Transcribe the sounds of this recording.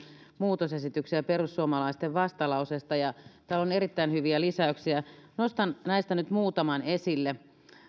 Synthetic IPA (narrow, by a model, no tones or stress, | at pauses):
muːt̪osesit̪yksiæperusːuomɑlɑist̪eʋʋɑst̪ɑlɑusest̪ɑjɑt̪æːloneɾit̪ːæinhyʋiælisæøksiænost̪ɑnnæist̪ænyt̪muːt̪ɑmɑnesilːe